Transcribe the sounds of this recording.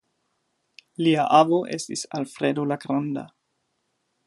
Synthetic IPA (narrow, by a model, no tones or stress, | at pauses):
liaʔavoʔḛstisalfɾedolaɡɾanda̰